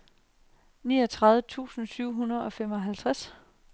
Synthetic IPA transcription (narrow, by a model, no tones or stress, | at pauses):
niːɒ̽t͡sʰʁɑ̈ðˠʋət͡sʰṵːsn̩syʊ̰ɦunɐðˠɒ̽femɒ̽ɦælt͡sʰʁas